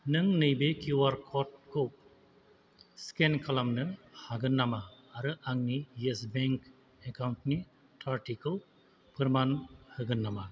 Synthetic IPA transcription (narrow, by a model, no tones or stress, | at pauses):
nɯŋnɯjbekjuwaɾkʰɔt̚kʰɯw | skenkʰalamnɯhaɡɯnːamaː | ɾɯʔaŋnijesbeŋk | ekawntni | tʰaɾtikʰɯw | pʰɯɾmanhɯɡɯnːama